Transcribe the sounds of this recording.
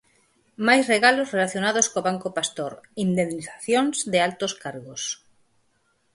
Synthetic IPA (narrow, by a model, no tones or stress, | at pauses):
majzreɣalozrelaθjonaðoskoβaŋkopast̪oɾind̪enːiθaθjoŋzðɪalt̪oskaɾɣos